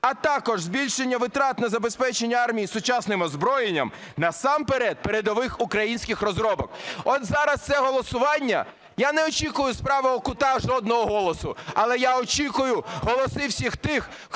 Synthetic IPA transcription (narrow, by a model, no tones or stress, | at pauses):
ɐt̪ɑkɔʒzʲbʲilʲʃenʲːɐʋɪt̪ɾɑt̪nɐzɐbespɛt͡ʃenʲːɐɑrmʲijisʊt͡ʃɑsnɪmɔzbɾɔjenʲːɐ̰m | nɐsɑmpeɾɛd̪̚peɾed̪ɔʋɪxʊkɾɐjinʲsʲkʲɪxrɔzɾɔbɔkɔt̪zɑɾɐst̪sɛɦɔlˠɔsʊʋɑnʲːɐ̰ | janɛɔt͡ʃikʊjʊspɾɑʋɐɔkʊt̪ɑʒɔd̪̚nɔɦɔɦɔlˠɔsʊɐlˠɛjaɔt͡ʃʲikʊjʊɦɔlˠɔsɪwsʲixt̪ɪx